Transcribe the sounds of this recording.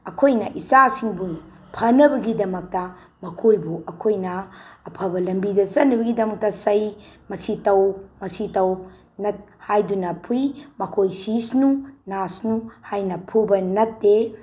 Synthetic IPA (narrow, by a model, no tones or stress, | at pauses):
ɐkʰojnɐ̰ʔisasiŋbu | pʰɐnɐbɐɡidɐmɐk̚tɐ | mɐkʰojbuʔɐkʰojnɐːpʰɐbɐlɐmbidɐsɐtnːɐbɐɡidɐmɐk̚tɐsɐjmɐsitɐwmɐsitɐw | nɐt̚hajdunɐpʰujmɐkʰojsisnunasnuhajnɐpʰubɐnɐt̚ːe